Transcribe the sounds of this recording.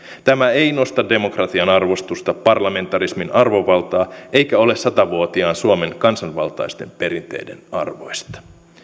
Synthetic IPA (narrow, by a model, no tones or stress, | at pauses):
t̪æmæe̞jno̞st̪ɑde̞mo̞krɑt̪iɑnɑrʋo̞st̪ust̪ɑpɑrlɑme̞nt̪ɑrisminɑrʋo̞ʋɑlt̪ɑːʔe̞jkæo̞lesːɑt̪ɑʋuot̪iɑːnsuome̞ŋkɑnsɑnʋɑ̰lt̪ɑ̰jst̪e̞mpe̞ɾint̪e̞̰jde̞̰nɑ̰rʋo̞jst̪ɑ̥